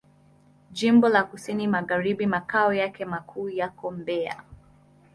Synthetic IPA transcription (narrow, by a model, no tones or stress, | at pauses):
ʄimbɔlakusinimaɣaɾiɓimakaɔjakɛmakʰuːjakɔm̩bɛa̰